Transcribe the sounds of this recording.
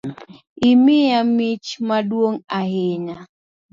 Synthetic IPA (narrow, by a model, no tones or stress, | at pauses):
imɪjamit͡ʃmaɗwoŋahena